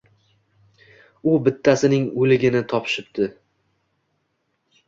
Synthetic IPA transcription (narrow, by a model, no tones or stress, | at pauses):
ʊbɪt̪ʰːasɪnɪŋolɪɡʲɪnɪt̪ʰɒpʰʃɪp̚d̪ɪ